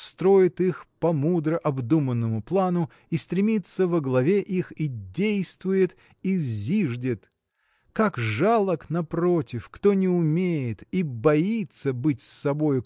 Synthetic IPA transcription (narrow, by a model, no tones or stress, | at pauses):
st̪ɾo̞jɪt̪ixpɐmud̪ɾəʔɐbd̪umənːəmʊplˠanʊ | ist̪ɾʲɪmʲit̪səvəɡlˠɐvʲeʔixidʲejst̪vʊjɪt̪ | izʲiʐdʲɪt̪ | kakʐalˠəknɐpɾo̞tʲɪfkt̪o̞nʲɪʊmʲejɪt̪ibɐit̪səbɨtʲsːɐbo̞jʊ